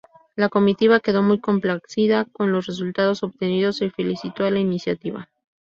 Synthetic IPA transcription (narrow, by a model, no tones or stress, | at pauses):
lako̞mit̪iβake̞ð̞o̞mujko̞mplaksiðako̞nlo̞sre̞s̬ult̪að̞o̞so̞βt̪e̞niðo̞sefe̞lisit̪o̞alainisjat̪iβa̰